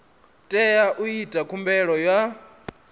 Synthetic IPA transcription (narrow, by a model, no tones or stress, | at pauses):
tʼɛjaʔuitʼakʰumbɛɺɔja